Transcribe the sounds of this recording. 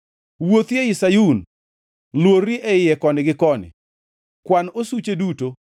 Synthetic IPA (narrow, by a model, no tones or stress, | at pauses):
wot̪jeɪsajun | lworːiʔɛɪjɛkɔnɪɡɪkɔnɪ̰ | kwanosut͡ʃeduto